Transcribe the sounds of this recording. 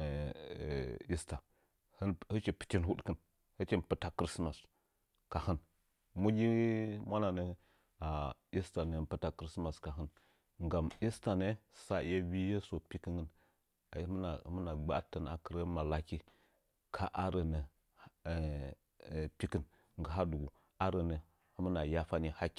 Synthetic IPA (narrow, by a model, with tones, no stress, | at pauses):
i˦sta˨ | hə˦nhə˦t͡ʃi˨pə̥˨t͡ʃi˦nɦu˦ɗkə˦n | hə˦t͡ʃe˦˨n˨pɨ˦ta˦kɾi˦sma˨s | ka˨hə˦n | mu˦ɡʲi˦mʷa˦na˨nə˨˦ | a˨i˦sta˨nə˨˦n˦pɨ˦ta˦kɾi˦sma˨ska˨ɦə˦n | ŋɡa˨mi˦sta˨ne˦sa˨˦je˦bi˦je˦so˨pi˦kə˦ŋə˦n˨˦ | m˦na˨˦mə˦na˨ɡ͡ba̰˦tə˨na̰˨kə˨ɾə˦ma˨la˦ki˦ | kʰa˦ʔa˦ɾə˨nə˨ | pi˦kɨ˦n | ŋ˨ɡə˨ɦa˦du˨ɡu˨ | a˦ɾə˨nə˨˦ | mə˦na˨ja˦fa˦ni˨ha˦kʲi̥˨